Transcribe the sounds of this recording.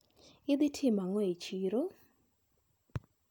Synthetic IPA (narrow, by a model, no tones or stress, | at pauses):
ɪd̪ɪtʰɪmaŋɔet͡ʃiɾo